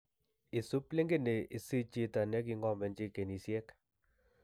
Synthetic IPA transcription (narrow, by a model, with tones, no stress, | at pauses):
i˨su˦ple˦ŋɡe˦˨ne˨ʔi˨si˦t͡ʃi˦ta˨nɛ˦k̬i˦ŋɡɔ˦˨mbɛ˨nd͡ʒi˦ke˨ni˨sjɛ˦k